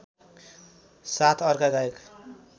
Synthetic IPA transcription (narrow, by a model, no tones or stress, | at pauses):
sat̪ʰʌrkaɡaek